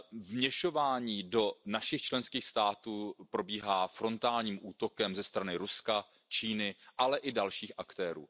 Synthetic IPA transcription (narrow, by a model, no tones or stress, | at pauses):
vmɲɛʃo̞vaːɲiːdo̞naʃɪxt͡ʃlɛnskiːxst̪aːt̪uːpɾo̞biːɦaːfɾo̞nt̪aːlɲiːmʔuːt̪o̞kɛmzɛst̪ɾanɪɾuska | t͡ʃiːnɪʔalɛʔɪdalʃiːxʔakt̪ɛːɾṵː